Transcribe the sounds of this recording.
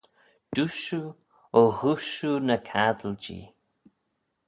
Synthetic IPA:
d̪̥uʃu | ohuʃunəkʰad̪əld͡ʒḭː

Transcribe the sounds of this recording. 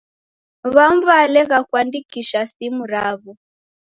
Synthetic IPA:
βaɱvalɛɣakwandikiʃasimuɾaβɔ

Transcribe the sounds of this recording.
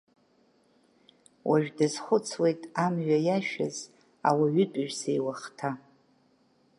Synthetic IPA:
wʔaʒᶣdazχʷʊt͡sʰwe̞jtʼamɥajaʃᶣaz | awaɥʏtʷʼɨʒᶣsejwaχtʰa

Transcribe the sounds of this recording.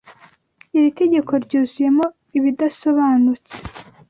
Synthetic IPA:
iɾite̞ɟe̞kʰo̞ɾɟuːzuje̞mo̞ | iβidaso̞βaːnut͡se̥

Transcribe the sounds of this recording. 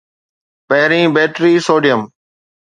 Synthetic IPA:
pɛːɪɾĩːbeːʈɾiːsoːɖɪjəm

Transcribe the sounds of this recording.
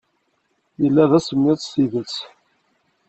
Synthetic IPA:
jəlːæðæsəmːɪðsiðət͡sː

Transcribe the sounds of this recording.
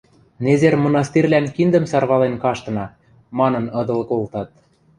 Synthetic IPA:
nezermŏnɑst̪irʲlænkind̪ə̆msɑrβɑlenkɑʃt̪ɤ̆nɑ | mɑnɤ̆nɤ̆d̪ɤ̆lkolt̪ɑt̪̚

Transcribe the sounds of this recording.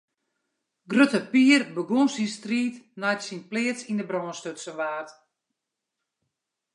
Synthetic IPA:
ɡrøtəpiːərbəɡonsistriːtnajtsinplɪːətsindəbrɔːnstøtsəʋaːrt

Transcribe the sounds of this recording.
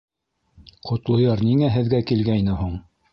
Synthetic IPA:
qʰŏt̪lˠŏjɑɾniŋæɦɘ̆ðɡækilɡæjnɘhuɴ

